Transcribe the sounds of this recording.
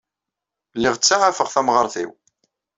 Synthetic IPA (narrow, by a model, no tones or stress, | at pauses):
lːɪʁt͡sːaʕafəʁθæmʁəɾˤθḭw